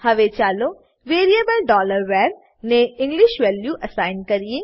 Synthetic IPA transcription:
hɐʋet͡ʃaːlo | ʋeːɾiebəlɖɔːləɾʋɛːɾ | neɪ̃ŋɡlɪʃʋɛːljuʔɐsaːɪnkɐɾie

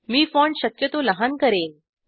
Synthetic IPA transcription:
miːfɔɳɖɕəkjət̪oləɦankəɾen

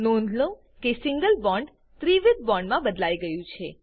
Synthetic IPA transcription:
nond̪lõ | kesɪ̃ŋɡəlbɔɳɖ | t̪ɾiʋɪd̪̚bɔ̃ɳɖmãbəd̪laiɡəjũt͡ʃʰe

